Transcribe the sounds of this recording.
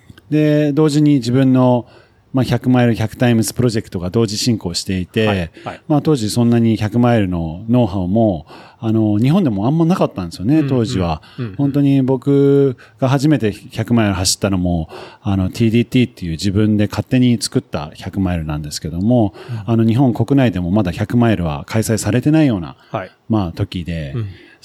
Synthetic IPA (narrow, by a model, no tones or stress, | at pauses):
d̪e̞d̪o̞ːʑiɲ̟id͡ʑibɯ̟̃nːo̞ | maçakɯ̟maiɾɯ̟çʲakɯ̟̥t̪aimɯ̟sɨ̥pɯ̟ɾo̞ʑe̞kɯ̥t̪o̞ɡad̪o̞ːʑiɕĩŋko̞ːɕi̥t̪e̞it̪e̞mat̪o̞ːʑisõ̞nːaɲ̟içakɯ̟maiɾɯ̟no̞no̞ːɦamo̞ano̞ɲ̟iɦõnd̪e̞mo̞ãmːanakat̪ːãnd̪esɨjo̞ne̞t̪o̞ːʑiβ̞a | hõ̞nt̪o̞ɲ̟ibo̞kɯ̟ | ɡ̥aɦaʑime̞t̪e̞çakɯ̟maiɾɯ̟ɦaɕi̥t̪ːano̞mo̞ano̞t̪ʰʲiːd̪iːt̪ʲiːt̪ːe̞jɯ̟ːʑibɯ̟̃nd̪e̞kʰat̪ːe̞ɲ̟it͡sɨ̥kɯ̟t̪ːa̰çakɯ̟maiɾɯ̟nãnd̪e̞sɨ̥ke̞d̪o̞mo̞ano̞ɲ̟iɦõ̞ŋko̞kɯ̟naid̪e̞mo̞mad̪açakɯ̟maiɾɯ̟β̞a̰kʰaisaisaɾe̞t̪e̞naijo̞ːna̰ | maːt̪o̞kʲid̪e̞